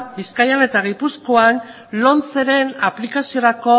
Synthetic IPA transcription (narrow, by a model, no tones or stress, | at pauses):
biskajale̞t̪aɣ̞ipuskoan | lo̞nt͡se̞ɾe̞naplikasio̞ɾako̞